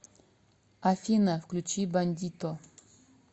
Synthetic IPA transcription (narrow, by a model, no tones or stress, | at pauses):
ɐfʲinɐfklʲut͡ɕibɐnʲd̪ʲit̪o